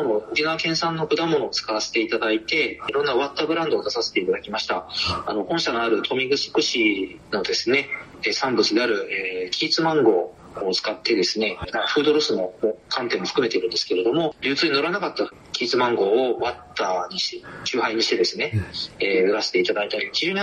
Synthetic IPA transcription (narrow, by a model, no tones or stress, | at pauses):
anookʲinaβakẽ̞ɰ̃sãnːo̞kɯ̟d̪amːo̞no̞ːt͡sɨ̥kaβase̞̥t̪e̞it̪ad̪ait̪e̞iɾõ̞nːaβat̪ːabɯ̟ɾãnd̪o̞ːd̪asase̥t̪e̞it̪ad̪akʲimaɕi̥t̪aano̞hõ̞ɰ̃ɕanoaɾɯ̟t̪ʰo̞mʲiɡɯ̟so̥kɯ̟ɕi | no̞d̪e̞sɨne̞ | eːsãmbɯ̟t͡sɨd̪e̞aɾɯ̟eːkʲiːt͡sɨmãŋɡo̞ː | t͡sɨ̥kat̪ːe̞d̪e̞sɨne̞nakaɸɯ̟ːd̪o̞ɾosɨmo̞mokʰãnt̪ẽ̞mːo̞ɸɯ̟̥kɯ̟mee̞iɾɯ̟nd̪esɨ̥ke̞ɾe̞d̪o̞mo̞ɾʲɯ̟ːt͡sɨːɲ̟ino̞ɾanakat̪ːa | kʲiːt͡sɨmãŋɡo̞ːβat̪ːaːɲ̟it͡ɕɨːɦaiɲ̟iɕi̥t̪e̞d̪e̞sɨne̞eːɯ̟ɾase̥t̪e̞it̪ad̪ait̪aɾʲikʲiʑɨːɲ̟i